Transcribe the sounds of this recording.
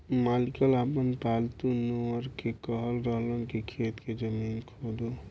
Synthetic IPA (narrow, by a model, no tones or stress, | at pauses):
malikəlapənpalt̪unoəɾkekəɦəlɾəɦlũnkikʰet̪ked͡ʒəminkʰod̪o